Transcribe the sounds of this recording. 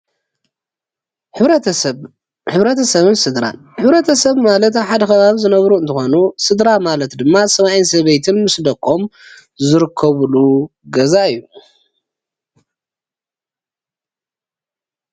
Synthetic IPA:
ɨβɐ | ħɨβɾɐt̪ʰɐsɐβɨnsɨd̪ɾa̰n | ħɨβɾɐt̪ʰɐsɐβmalɐt̪aβħad̪ɐxɐβaβizɨnɐβɾuɨnt̪ʰɨxo̞nusɨd̪ɾamalɐt̪d̪ɨmːasɐβajinsɐβɐjt̪ʰɨnmɨsd̪ɐkʼo̞m | zɨɾɨkʰːɐβluɡɐzaɨjːu

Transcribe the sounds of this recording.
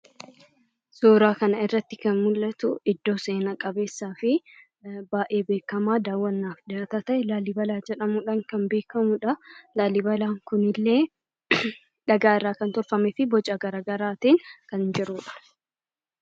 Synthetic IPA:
soːɾaːkɐnɐɪrːɐt̪ːɪkɐnmʊlːɐt̪ʊɪd̪ːo̞ːse̞ːnɐkʼɐbe̞ːsːaːfɪ | baːʔe̞ːbe̞ːkːɐmaːd̪aːwːɐnːaːfd̪aːt̪at̪ɐʔɛlaːlibɐlaːd͡ʒɛᶑɐmʊᶑaːŋkɐnbe̞ːkɐmʊᶑɐlaːlɪbɐlaːŋkʊnɪlːe̞ː | ᶑɐɡaːɪrːaːkɐnt̪ɔɾfɐmɛfɪbɔt͡ʃʼaɡɐɾaːɡɐɾaːt̪eːŋkɐnd͡ʒɪɾuːᶑɐ̥

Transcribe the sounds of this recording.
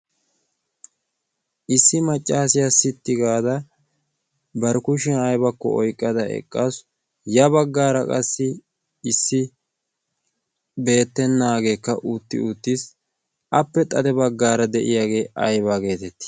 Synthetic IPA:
ʔɪsːɪmɐt͡ʃʼːaːsɪjasɪt̪ːɪɡaːd̪ɐ | bɐɾkʊʃɛnɐjbɐkːɔ̰ɔ̰jkʼːɐd̪ɐʔɛ̰kʼːaːs | jɐbɐɡːaːɾɐkʼɐsːɪ | ɪsːɪ | be̞ːt̪ːɛnːaːɡe̞ːkːɐʔʊt̪ːɪ̰ʊt̪ːis | ʔɐpːɛt̪ʼɐd̪ɛbɐɡːaːɾɐd̪ɛʔɪ̰jaːɡe̞ːʔɐjbaːɡe̞ːt̪ɛt̪ːɪ̥

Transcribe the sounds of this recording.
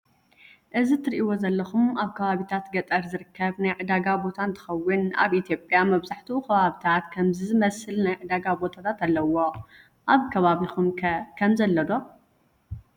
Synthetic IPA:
ʔɨzit̪ʰɨɾiʔiwo̞zɐlːɐxumaβkʰɐβaβit̪ʰat̪ɡɐt̪ʼɐɾzɨɾɨkʰːɐβnajʕɨd̪aɡabo̞t̪ʰant̪ʰɨ̥xɐwːɨna̰βit̪ʰjo̞pʼjamɐβzaħt̪ʰukʰɐβaβit̪ʰat̪kʰɐmzɨzɨmɐsɨlnajʕɨd̪aɡabo̞t̪ʰat̪ʰat̪alːɐwo̞ | ʔaβkʰɐβaβixumkʰɐmzɐlːɐd̪o̞

